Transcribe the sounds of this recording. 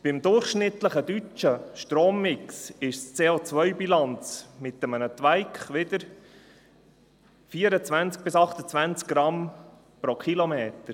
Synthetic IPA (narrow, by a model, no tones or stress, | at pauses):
b̥ɪmd̪ʊɾχʃnɪt̪ləχəd̪yt͡ʃəʃtɾoːmːɪksɪʃst͡seːot͡svœʏbilɑnt͡smɪt̪əmənət̪ʋæɪkχʋɪd̪əɾ | fiːəɾət͡sʋænt͡sk̚b̥ɪsɑχt̪ət͡svænt͡sk̚ɡ̥ɾɑm | pɾokχilomeːt̪əɾ